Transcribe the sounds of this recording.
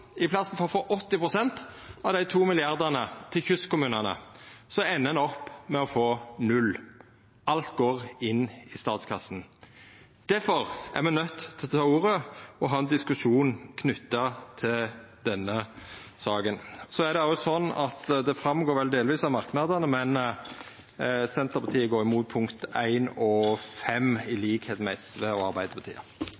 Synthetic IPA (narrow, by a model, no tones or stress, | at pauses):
ɪpʰlɑsn̩fɔʁɔfoːʔɔt̪ːɪpʁʊsɛnt̪ɑʋd̪æɪt̪ʰuːmɪlɪɑʁd̪ənət̪ʰɪlçʉskʊmʉːnənə̰sɔɛnːənɔpːmɛɔfoːnʉlː | ʔɑlt̪̚ɡoːʁɪnːɪst̪ɑːt̪skʰɑsn̩ | d̪̥æɾfɔʁæ̰ʁmɛnœt̪ːt̪ʰɪlt̪ʰɑːuːʁəɔɦɑːɛnd̪ɪskʉʃuːn̩kʰnʉt̪ːɑt̪ʰɪld̪ɛnːə | sɑːɡənsɔæd̪ɛɑsɔnːɑ̰t̪d̪ɛfɾɑmɡoːɾʋɛld̪eːlʋiːsɑʋmɑɾknɑd̪ənəmɛn | sɛnt̪əɾpʰɑt̪ʰiːəɡoːɾɪmuːt̪̚pʰʊŋkt̪æɪnɔfɛmɪliːkheːt̪mæɪst̪ʋɛɔɑɾbæɪd̪əpʰɑt̪ʰḭːə̰